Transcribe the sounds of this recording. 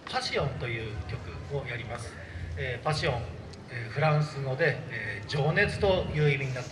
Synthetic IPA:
paɕiõ̞nt̪o̞jɯ̟ːkʲo̞kɯ̟o̞jaɾʲimasɨ̥ | eːpaɕiõ̞ŋ | eɸɯ̟ɾãɰ̃sɨno̞d̪e̞ːd͡ʑo̞ːne̞t͡sɨ̥t̪o̞jɯ̟ːimʲiɲ̟inat̪ː

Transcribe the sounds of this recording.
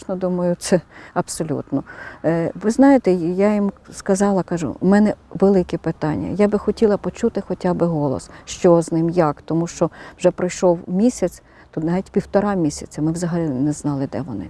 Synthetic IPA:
ʃnɔd̪umɐjʊt̪sɛɐpsɔlʲṵt̪nɔ | ʋɪznɑjet̪ɛjajimskɐzɑlˠɐkɑʒʊ̰mɛnɛʋelˠɪkʲɪpɪt̪ɑnʲːɐ̰jabɪxɔtʲilˠɐpɔt͡ʃut̪ɪxɔtʲabɪɦɔlˠɔ̰sʃt͡ʃɔznɪmjakt̪ɔmuʃt͡ʃɔwʒɛpɾɪjʃɔwmʲisʲɐt͡s̪ʲ | t̪ut̪nɑʋʲitʲpʲiwt̪ɔɾɑmʲisʲɐt͡sʲɐmɪwzɐɦɐlʲinɛznɑlˠɪd̪ɛʋɔnɪ̰

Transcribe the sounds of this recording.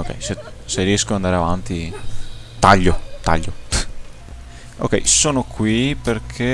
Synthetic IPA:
okːɛ̰jse | seriɛskoand̪aːɾeavant̪i | t̪aʎːot̪a̰ʎːo | o̰kːɛ̰jsoːnokʰwiperkʰe

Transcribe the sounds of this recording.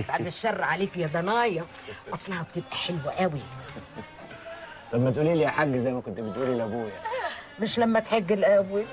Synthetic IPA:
baʕd̪ɪʃːɑrˤːʕaliːfijæd̪ˤɑnɑːjɑ | ʔɑsˤlɑhɑb̚t̪ɪbʔæħɪlwʔæwi | t̪ˤɑbmæt̪ʔuːlilijaħaɡːzæjmækont̪bet̪ʔuːlilʔæbuːjamɪʃlæmːæt̪ħeɡːɪlʔæbwi

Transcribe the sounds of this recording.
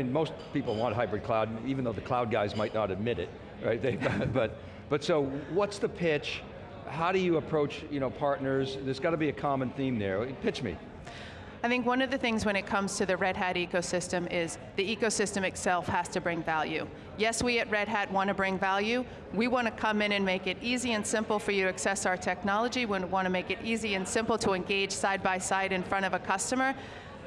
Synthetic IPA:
nmoʊspipl̩ˠwɑ̃nt̚ɦaɪbɹɨd̚kʰl̥aʊdivn̩ðoʊðɨkʰl̥aʊd̚ɡaɪzmaɪtⁿnəɾɨd̚mɪɾɪ̰t̚ | ɹaɪt̪̚ðeɪbb̥ʌt̚ | b̥ʌtsoʊwʌtsðɨpʰɪt͡ʃ | haʊɾɨjɨːpʰɹ̥oʊt͡ʃjɨñoʊpʰɑɹtⁿnə˞zðə˞zɡɑɾəbiɨkʰɑmə̃nθĩmðə̰˞pʰɪt͡ʃmḭ | aɪθɪ̃ŋkwʌ̃nʌvðɨθɪ̃ŋzwə̃ɨ̃ɾ̃ɨt̚kʰʌ̃mz̥tʰɨðɨɹɛd̚ɦæɾikoʊsɪstɨ̃mɪz | ðiikoʊsɪstɨ̃mɨtsɛlˠfhæstɨbɹɪ̃ŋvælˠjʉ | jɛswiɨt̚ɹɛd̚ɦæt̚wɑ̃ñɨbɹɪ̃ŋvælˠjʉ | wiwɑ̃ɾ̃ɨkʰʌ̃mɨ̃nɨ̃nmeɪkɨɾiziɨ̃nsɪ̃mpl̩ˠfə˞jɨɾɨɨksɛsaʊə˞tʰɛk̚nɑlˠəd͡ʒiwə̃n̚wɑ̃ñɨmeɪkɨɾʔiziɨ̃nsɪ̃mpl̩ˠtʰəɨ̃nɡeɪd̥ʒ̥saɪd̚baɪsaɪɾɨ̃nfɹʌ̃ɾ̃ʌvɨkʰʌstɨmə˞

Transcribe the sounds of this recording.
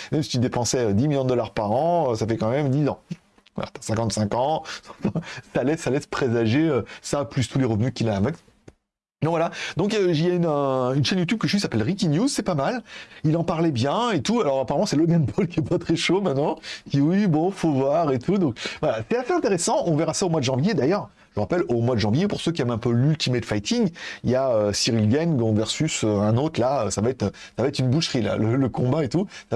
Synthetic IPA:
mɛmsit̪yd̪epɑ̃sɛød̪imiljɔ̃d̪d̪ɔlaʁpaʁɑ̃øsafɛkɑ̃mɛmd̪izɑ̃ | va̰la̰t̪asɛ̃kɑ̃t̪sɛ̃kɑ̃ɑ̃fɛ̃salɛsalɛspχezaʒeøsaplyst̪uleʁəvnykʲilãːmɛks | nɔ̃vwalad̪ɔ̃kiljaynə̃ynʃɛnjut̪yb̚kəʒəɥisapɛlʁikʲinjuzsɛpamalilɑ̃paʁlɛbjɛ̃et̪ualɔʁapaʁamɑ̃sɛlɔɡanpʰɔlkʲiɛpat̪χɛʃomɛ̃t̪nɑ̃kʲiwibɔ̃fovwaʁet̪ʰud̪ɔ̃k̚vwalasɛt̪aseɛ̃t̪eʁesɑ̃ɔ̃vɛʁasaomwad̪əʒɑ̃vjed̪ajœʁ | ʒəʁapɛlomwad̪əʒɑ̃vjepuʁsøkʲiɛmɛ̃pølylt̪ʰimet̪fajt̪iŋijaøsiʁilɡɛnɡɔ̃vɛʁsysøɛ̃not̪χlaøsavaɛt̪χsavaɛt̪χynbuʃʁila̰lələkɔ̃baet̪usa

